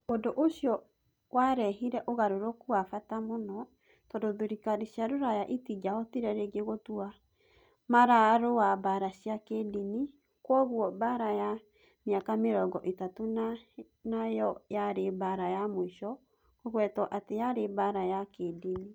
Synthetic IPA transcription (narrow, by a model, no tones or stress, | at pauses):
odoʔoɕiɔ | waɾɛɦiɾɛʔoɣaɾoɾokuafatamonɔ | tɔdoðoɾikaɾiʃiaɾoɾajaʔitid͡ʒaɔtiɾɛɾeɡeɣotua | maɾaɾoabaɾaɕiakedini | kwɔɣuɔbaɾaja | miakameɾɔɡɔʔetatona | najɔjaɾebaɾajamoiʃɔ | koɣwɛtɔʔatejaɾebaɾajakedini